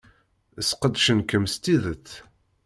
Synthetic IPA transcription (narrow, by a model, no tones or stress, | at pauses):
əsqəd̪ʃənkəmst̪iðət͡sː